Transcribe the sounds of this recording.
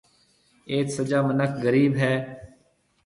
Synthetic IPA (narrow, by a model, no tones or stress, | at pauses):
eːk̪səd͡ʒaːmənəkʰɡəɾiːbɦɛː